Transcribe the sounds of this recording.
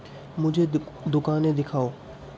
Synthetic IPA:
mʊ̃ːd͡ʑʱed̪ʊkaːnẽd̪ɪkʰaːoː

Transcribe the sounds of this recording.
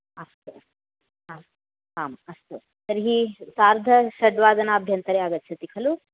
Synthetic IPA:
ɐst̪u | aːs | aːmɐst̪u | sɐɾiɦiːsaːɾd̪ʱɐʃɐɖʋaːd̪ɐnaɐbʱjɐnt̪ɐɾeaːɡɐt̪ːt͡ʃʰɐt̪ikʰɐlu

